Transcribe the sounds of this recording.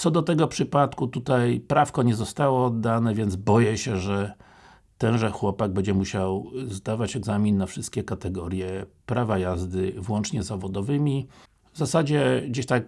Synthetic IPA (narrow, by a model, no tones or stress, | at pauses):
t̪sɔd̪ɔt̪ɛɡɔpʂɘpat̪kut̪ut̪ajpɾafkɔɲɛzɔst̪awɔd̪ːanɛvʲjɛnzbɔjɛɕɛʐɛ | t̪ɛnʐɛxwɔpaɡ̚bɛɲd͡ʑɛmuɕawzd̪avat͡ɕɛɡzamʲinːafʂɘst̪̚kʲɛkat̪ɛɡɔɾjɛpɾavajazd̪ɘvwɔnt͡ʂɲɛzavɔd̪ɔvɘmʲi | vzasad͡ʑɛɡd͡ʑeɕt̪ak